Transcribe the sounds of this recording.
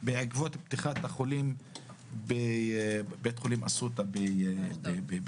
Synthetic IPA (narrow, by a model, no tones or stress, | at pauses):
beʕaɡvot̪pt̪iχat̪aχolim | be | bet̪χolimasut̪abebebe